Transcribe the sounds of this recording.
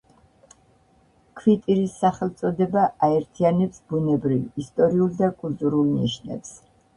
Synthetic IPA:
kʰvit̪ʼiɾisːaχɛlˠt̪sʼɔd̪ɛbaʔaɛɾt̪ʰianɛpsbunɛbɾivist̪ʼɔɾiulˠd̪akʼulˠt̪ʼuɾulˠnḭʃnɛ̰ps

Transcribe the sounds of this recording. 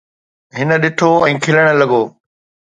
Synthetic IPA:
ɦɪnə̆ɗɪʈʰoɛ̃ːkʰɪləɽ̃ə̆lɐɠoː

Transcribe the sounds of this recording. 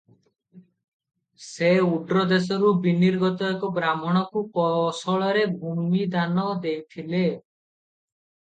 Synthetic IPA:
seuɖɾɔd̪esɔɾubiniɾɡɔt̪ɔɔkɔbɾamɔɽ̃ɔkukɔsɔɭɔɾebʱumid̪anɔd̪ejt̪ʰile

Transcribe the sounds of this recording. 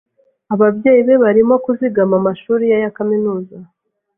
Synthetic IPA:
aβabje̞ːjiβe̞βaɾimo̞kuziɡamamaʃuːɾijajakaminuːza

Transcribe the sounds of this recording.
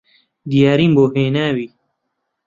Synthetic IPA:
d̪ijaːɾiːmboːɦeːnaːwiː

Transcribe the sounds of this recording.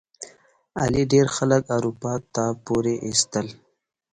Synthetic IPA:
a̰liɖeɾxaləkaɾupɑt̪apoɾeʔist̪əl

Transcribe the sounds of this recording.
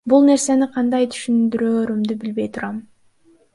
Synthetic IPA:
bulˠne̞ɾse̞niqʰɑnd̪ɑjt̪ʰy̥ʃynd̪yɾøːɾymd̪ybilbe̞jt̪ʰuɾɑm

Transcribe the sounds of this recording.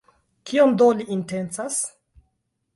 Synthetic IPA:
kʰiomd̪oliintent͡sas

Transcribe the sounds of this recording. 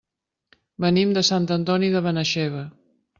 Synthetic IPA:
bənimd̪əsant̪ənt̪ɔniðəβənəʃɛβə

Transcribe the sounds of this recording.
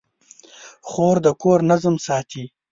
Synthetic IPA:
χoːɾd̪əkoːɾnazəmsɑːt̪ʰi

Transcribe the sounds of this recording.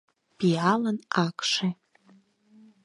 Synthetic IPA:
b̥ialənakʂe

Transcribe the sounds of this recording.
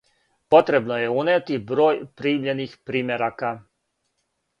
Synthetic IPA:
pɔt̪ɾɛbnɔjɛunɛt̪ibɾɔjpɾimʎɛniːxpɾiːmɛɾaka

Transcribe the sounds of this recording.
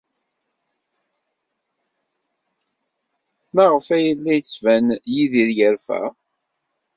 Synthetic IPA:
mæʁəfæjəlːæjt͡sːvænjiðiɾjəɾfæ̰

